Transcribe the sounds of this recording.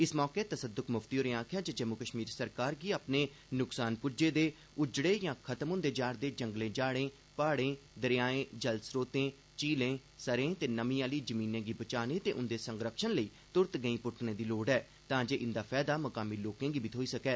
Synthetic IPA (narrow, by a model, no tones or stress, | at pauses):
ɪsmɔːkeːt̪əsəd̪ʊkʰmʊft̪iːoːɾẽãːkʰjaːd͡ʒəd͡ʒəmːukəʃmiːɾsəɾkaːɾɡiːaːpneː | nʊksaːnpʊd͡ʒeːd̪eː | ʊd͡ʒɽeːjãːkʰət̪əmɦʊ̃nd̪eːd͡ʒaːɽd̪eːd͡ʒəŋɡlẽːd͡ʒaːɽẽː | paːɽẽːd̪əɾɪjaːẽːd͡ʒəlsɾoːt̪ẽː | t͡ʃiːlẽːsəɾẽːt̪eːnəmĩːaːliːd͡ʒəmĩːnẽːɡiːbət͡ʃaːneːt̪ḛːʔʊnd̪eːsə̃ŋɡɾəkʃənləiː | t̪ʊɾt̪ɡəĩːpʊʈʰnẽːd̪iːloːɖɛː | t̪ãːd͡ʒeːʔɪnd̪aːpʰɛːd̪aːməkaːmiːloːkẽːɡiːbʱiːt̪ʰoːiːsəkɛː